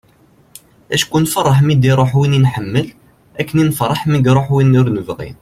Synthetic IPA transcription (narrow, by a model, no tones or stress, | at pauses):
æʃkunfərˤːəħmid̪iɾˤoħwininħəmːəl | ækːəninfɾˤɑħmiɡɾˤoħwinːiɾnəvʁḭn